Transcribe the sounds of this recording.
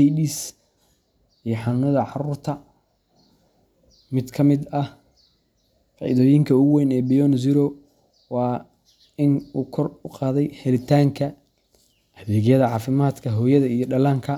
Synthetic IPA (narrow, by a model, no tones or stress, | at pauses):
ɛjɗis | ijɞħɑnʊnɐðɐʕɑruːrt̪ʰɐ | mɪd̪kʰɐmɪd̪ɐh | fɑ̰ːʔɪ̰ðɔːjɪŋkʰɐʊɣwɛjnɛːbijɔnziɾɔ | wɑː | ɪnuːkʰɔrʊqɑːðɛjhɛlɪt̪ʰaːŋkʰɐ | hɐβɛːɣjɐðɐʕɑːfɪmaːd̪kʰɐɦɔːjɐðɐijɞɖɐlaːŋkʰɐ